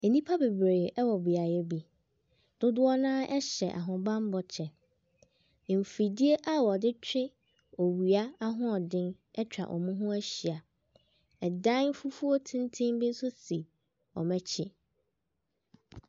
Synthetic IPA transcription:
e˨nĩ˦pʰa˦be˨bɾeː˨ɛ˦wɔ˨bi˨a˨jɛ˦bi˦ | d̥ʊ˦dʊ˦ɔ˦nãː˦ʔɛ˦ɕɛ˨ʔa̰˨ɦʊ̃˨bã˦m˦bɔ˨t͡ɕʰɛ˨ | m̩˨fi˨di˦e˦ʔa˦wɔ˨dɪ˦t͡ɕᶣɪ˦ | ɔ˨wi˨a˦a˦ɦʊ̃˦ɔ˨dɪ̃˦n | ɛ˦t͡ɕᶣa̰˨ʔɔ̰˨mũ˦ɦʊ̃˦æ˦ɕi˨a˨ | ɛ˨dã˦n˦fu˦fu˦o˦tʰɪ̃˦n˦tʰɪ̃˦mbɪ̃˦n̩˦sʊ˦si˨ | ɔ̰˨mɛ̃˦t͡ɕʰɪ˦

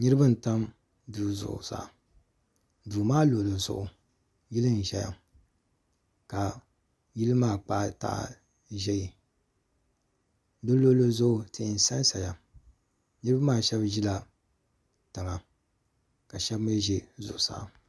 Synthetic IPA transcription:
ɲɨ˦ɾɨ˦bɨ˦n̩˨ta˦m | duː˨zʊ̰˨ʔʊ̰˨sa̰˨ | duː˨maː˦lo˨lo˨zʊ̰˨ʔʊ˨ | ji˦lɨ˦n˨ʒɛ˨ja̰˨ | ka˨ | ji˦lɨ˦maː˦˨k͡pa˦ʔta̰˨ʔ | ʒɛ˦ji˨˦ | dɨ˦lo˦lo˦zʊ˦ʔʊ˨tɨ˨ɪ˨n̩˨sa˦n˦sa˨ja˨ | ɲɨ˦ɾɨ˦ba˦maː˦˨ʃɛ˦bʒi˦la˨ | tɨ˨ŋa˨ | ka˨ʃɛ˦bmi˦ʒe˦zʊ̰˨ʔʊ˨sa̰˦ʔ

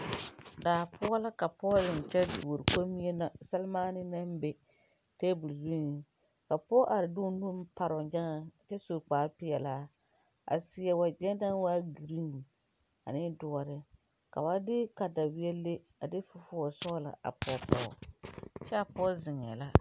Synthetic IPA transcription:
daː˨pʰʊ˦ɔ˦la˦ka˨pɔ˦zɪ˨ŋ˨t͡ʃɛ˦du˨ɾko˦mi˦ɛ˦na˨sa˦lmaː˦nɪ˦na˦m˦be˦ | teː˦bu˨lzi˦n˨ | ka˨pɔ˦ʔa˨ɾɪ˨dʊ˦nu˦m˦pa˦ɾɔ˨d͡ʒa˦ŋa˨t͡ʃɛ˦so˨k͡paː˨ɾpɪ˦jɛ˨laː˦ | ʔa̰˨sɪ˨˦ɛ˨wa˨d͡ʒɛ˦da˦n˦waː˦ɡi˨ɾi˦w | a̰˨nɪ˦dʊ˨ɔ˨ɾɪ˦ | ka̰˨ba˦dɪ˦ka˨da˨bɪ˦ɛ˦le˦ | a˨dɪ˦fʊ˦fʊ˦ɔ˨sɔ˦la̰˨ʔa̰˨pɔ˦pɔ̰˦˨t͡ʃɛ˦a˨pɔ˦zɪ˨ŋ˨ɛ̰˨la˦

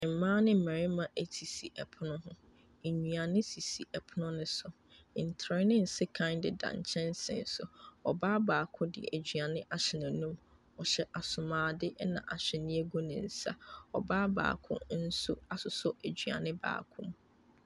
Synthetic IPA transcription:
m̩˨mãː˦nɪ̃˦m̩˨mæ̃˨ɾɪ˦mã˨ʔæ˨tʰi˨si˨ʔɛ˨pʰʊ˦nʊ̃˦ɦʊ̃˦ | e˨ɲũ˨a˨nɪ̃˦si˨si˨ʔɛ˨pʰʊ˦nʊ̃˦nɪ̃˦sʊ˨ | n̩˨tʰɾɪ˦nɪ̃˦n̩˨sɪ˦kʰã˦ɪ̃˦ndɪ˨dã̰˨ɲ̩̰˨t͡ɕʰɛ̃˦nsɪ̰̃˨nsʊ̰˨ɔ˨baː˦baː˨kʰʊ̃˦dɪ̰˨ʔæ˨d͡ʑɥa˨nɪ̃˦ʔa˨ɕɪ˨nã˨nũ˦m | ɔ˨ɕɛ˦ʔa˨sʊ˨mãː˨dɪ˦ʔnã̰˨ʔa˨ɕᶣɛ˨nɪ̃˦æ˦ɡo˦nɪ̃˨n̩˨˦sa̰˦ɔ̰˨baː˦ba̰ː˨kʰʊ̰̃˦n̩˦sʊ˦a˦sʊ˨sʊ˦ʔæ˨d͡ʑɥa̰˨nɪ̃˦ba̰ː˨kʰʊ̰̃˦m

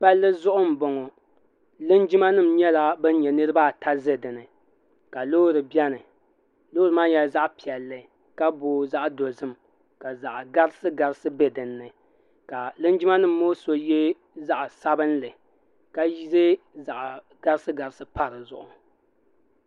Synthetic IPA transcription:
pa˦lːɨ˦zʊ˦ʔʊ˦m̩˨bɔ˨ŋɔ˨ | lɨ˦nd͡ʒi˦ma˦nɨ˦m̩ɲɛ˦la˦bɨ˦n˦ɲɛ˨nɨ˦ɾɨ˦baː˦tʰa˦zɨ˦dɨ˨nɨ˨ | ka˨loː˦ɾɨ˨bɛ˦nɨ˨ | lo˦ɾɨ˨˦maː˦jɛ˨lza˦ʔpi˨ɛ˨lːɨ˨ | ka˦bo˨˦za˦ʔdo˨zɨ˦m | ka˨za˨ʔɡa˦ɾɨ˦sɨ˦ɡa˨ɾɨ˦sɨ˦be˦dɨ˨nːɨ˨ | ka˨lɨ˦nd͡ʒi˦ma˦nɨ˦m̩ː˦oː˦so˨jɛ˦ | za˦ʔsa˦bɨ˦nlɨ˨ | ka˦ji˦zɨ˦ | za˨ʔ | ɡ̥a˦ɾɨ˦sɨ˦ɡa˨ɾɨ˦sɨ˦pa˦ɾɨ˨zʊ̰˨ʔʊ˨

